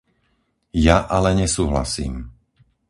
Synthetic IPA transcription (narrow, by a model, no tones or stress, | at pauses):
jaʔalɛɲɛsuːɦla̰sḭːm